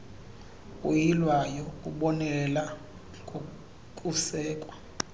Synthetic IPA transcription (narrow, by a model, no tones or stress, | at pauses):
ujilwajɔkʼuɓɔnɛlɛla | kʼo | kʼusɛːkʼwa